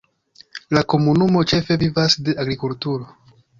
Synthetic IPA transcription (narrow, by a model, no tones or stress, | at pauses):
lako̞munumo̞t͡ʃe̞fe̞vivasde̞aɡɾikultuɾo̞